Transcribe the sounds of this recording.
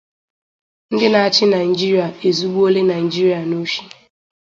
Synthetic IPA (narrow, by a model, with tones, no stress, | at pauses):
n̩˦dɪ˦na˨a˦t͡ʃɪ˦na˨ɪ˨d͡ʒi˦ɾi˨a˨e˨zu˦ɡ͡bu˦o˦le˦na˨ɪ˨d͡ʒi˦ɾi˨˦a˨no˦ʃi˦